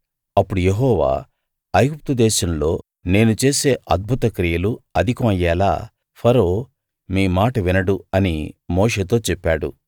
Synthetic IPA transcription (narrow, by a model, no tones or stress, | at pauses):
ɐpːuɽujeɦɔːʋa̰ː | ɐjɡup̚t̪ud̪ɛːʃɐmlo̞ː | ne̞ːnut͡ʃe̞ːse̞ːʔɐd̪̚bʱut̪ɐkɾijɐluɐd̪ʱikɐmɐjːɛːla̰ː | pʰɐɾo̞ː | miːmaːʈɐʋinɐɽuɐnimo̞ːʂe̞ːt̪̬o̞ːt͡ʃɛpːaːɽṵ